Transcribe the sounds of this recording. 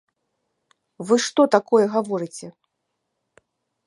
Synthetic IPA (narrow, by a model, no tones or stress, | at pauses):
vɨʂt̪ɔt̪akɔjɛɣavɔɾɨt͡sʲɛ